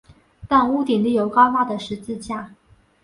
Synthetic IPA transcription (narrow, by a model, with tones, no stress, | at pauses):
t̪a˥˧nu˥˩t̪i˨˩nli˥˩jo˧˥ʊkɑ˥ʊma˥˩d̪ə˩ʂɻ̩˧˥t͡sɹ̩˥˧t͡ɕja˥˩